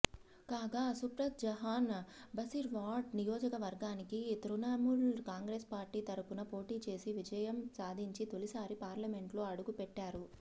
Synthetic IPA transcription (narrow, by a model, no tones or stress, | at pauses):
kaːɡaːsupɾɐt̪̚d͡ʒɐɦaːnbɐsiɾʋaːɖ̚nijoːd͡ʒɐkɐʋɐɾɡaːnikit̪ɾunaːmuɭkaːŋɡɾeːspaːɾʈiːt̪ɐɾupunɐpo̞ːʈiːt͡ʃe̞ːsiʋid͡ʒɐjɐmsaːd̪ʱiɲt͡ʃit̪o̞lisaːɾipaːɾlɐme̞ɳʈlo̞ːɐɽuɡupɛʈːaːɾu